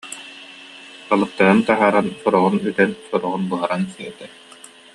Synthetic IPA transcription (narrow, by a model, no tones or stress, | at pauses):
alˠɯt̪ːaɾɯnt̪aɦaːɾansɔɾɔʁunyt̪ɛnsɔɾɔʁunbɯɦɯɾansiɛt̪ɛ